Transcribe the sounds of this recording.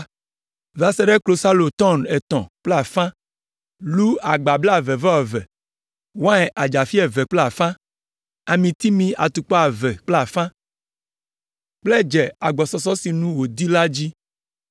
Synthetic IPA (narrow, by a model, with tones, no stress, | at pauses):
va˨sɛ˦ɖɛ˦klo˨sa˦lo˨t̪ɔ˦˨nɛ˨t̪ɔ̰̃˨k͡ple˦a˨fã˦ | lu˦a˨ɡ͡ba˨bla˦˨vɛ˨va˦ɔ˨vɛ̰˨ | wã˦ɛ˨ʔa˨d͡ʒa˨fi˦ɛ˨vɛ˨k͡ple˦a˨fã˦ | a˨mĩ˨t̪i˦mĩ˦ʔa̰˨t̪u˨k͡pɔ˦a˨vɛ˨k͡ple˦a˨fã˦ | k͡plɛ˦˨d͡ʒɛ˨a˨ɡ͡bɔ˨sɔ˨s̬ɔ˦si˨nũ˦wo˨d̪i˦la˦d͡ʑi˦